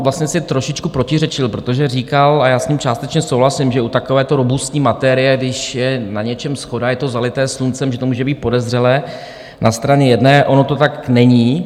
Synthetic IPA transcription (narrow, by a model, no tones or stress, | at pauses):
vlast̪ɲɛsɪt̪ɾoʃɪt͡ʃkupɾo̞cɪrɛt͡ʃɪlpɾo̞t̪o̞ʒɛriːkalajaːsɲiːmt͡ʃaːst̪ɛt͡ʃɲɛsowɦlasɪmʒɛut̪akovɛːt̪oɾobust̪ɲiːmat̪ɛːɾɪjɛɡdɪʃjɛnaɲɛt͡ʃɛmsxo̞dajɛt̪o̞zalɪt̪ɛːslunt͡sɛmʒɛt̪omuːʒɛbiːt̪̚po̞dɛzr̝ɛlɛː | nʔast̪ɾaɲɛjɛdnɛːʔo̞no̞t̪o̞t̪aknɛɲiː